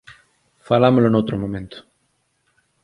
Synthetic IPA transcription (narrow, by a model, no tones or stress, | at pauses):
falamoloenowt̪ɾomõmẽnt̪o̥